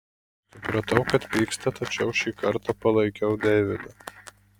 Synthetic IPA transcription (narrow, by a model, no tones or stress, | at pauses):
sssʊpɾɐt̪ɐʊkɐt̪ʋʲiːkst̪ɐt̪ɐt͡ʃʲɛʊʃʲiːkɐɾt̪apɐlˠɐɪkʲɛʊd̪ʲɛːʋʲɪd̪ɐ